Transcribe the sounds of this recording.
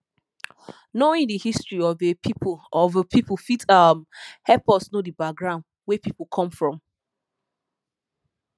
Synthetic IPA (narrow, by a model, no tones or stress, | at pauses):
noĩŋdihistɹiɔvepʰipɔvəpʰipufitamhɛpɔsnodəbak̚ɡɹãʊ̃nd | wɛpipukʰɔ̃mfɹɔ̃m